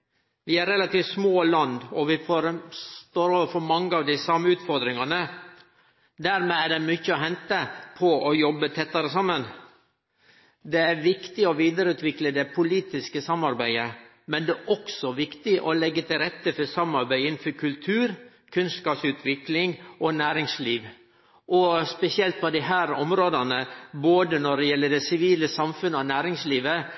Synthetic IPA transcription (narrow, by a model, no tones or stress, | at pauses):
ʋɪæɾɛlɑt̪iːʋt̪smoːlɑnd̪ɔʋɪfoɾt̪oːɾɔʋəfɔmɑŋːəɑːʋd̪ɪsɑmːəʉːt̪fɔɾd̪ɾɪŋɑnə | d̪æɾmeæɖɛmʏçəɔɦɛnt̪əpʰɔʔɔjɔbːət̪ʰɛt̪ːɑɾəsɑmːən | d̪ɛæɾʋɪkt̪ɪɔʋiːd̪əɾəʉːt̪ʋɪkləd̪ɛpʰʊliːt̪ɪskəsɑmːɑɾbæɪə | mɛnd̪ɛʔɔksɔʋɪkt̪ɪʔɔlɛɡːət̪ʰɪlɾɛt̪ːəfɔsɑmːɑɾbæɪɪnn̩fɔɾkʰʉlt̪ʰʉːɾ | kʰʉnskɑːpsʉːt̪ʰʋɪklɪŋɔnæːɾɪŋsliːʋ | ʔɔspɛsɪɛlt̪̚pʰɔd̪ɪɦæːɾɔmɾoːd̪ɑnəboːd̪ənɔɖɛjɛlːəɖɛsɪʋiːləsɑmfʉnəɔnæːɾɪŋsliːʋə